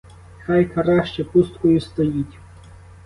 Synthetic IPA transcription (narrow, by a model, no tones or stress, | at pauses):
xajkʰɐɾaʃt͡ʃɛpust̪kɔjʊst̪ɔjitʲ